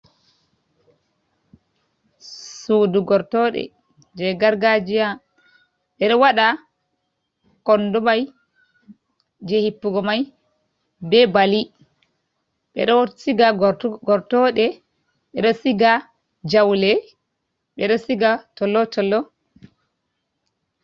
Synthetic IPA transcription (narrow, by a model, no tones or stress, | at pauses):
suduɡɔɾtɔɗɛ̰ | d͡ʒɛɡaɾɡad͡ʒija | ɓɛɗɔwaɗa | kɔndumaj | d͡ʒehipːuɡɔmaj | bɛbali | ɓɛ̰ɗɔsiɡaɡɔɾtɔɗɛ | ɓɛɗɔsiɡa | d͡ʒawlɛ | ɓɛɗɔsiɡatɔlːɔtɔlːɔ